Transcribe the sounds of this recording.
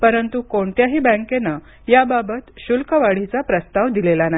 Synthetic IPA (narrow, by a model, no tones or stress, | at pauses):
pəɾənt̪ukoɳt̪jaɦiːbə̃ŋkena | jababət̪ɕulkəʋaɽ̤it͡sapɾəst̪aʋd̪ilelana